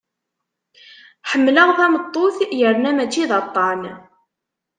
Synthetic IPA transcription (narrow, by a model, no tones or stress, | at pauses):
ħəmːləʁθæmət̪ˤːoθjəɾnæmæt͡ʃːiðɑt̪ˤːɑn